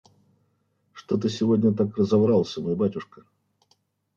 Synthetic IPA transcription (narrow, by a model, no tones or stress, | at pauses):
ʂt̪ot̪ɨsʲɪvo̞dʲnʲət̪akrəzɐvɾɑlˠsʲəmojbatʲʊʂkə